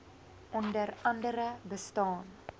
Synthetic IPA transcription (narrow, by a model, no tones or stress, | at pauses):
ʔɔndərɐndəɾəbəstɑːn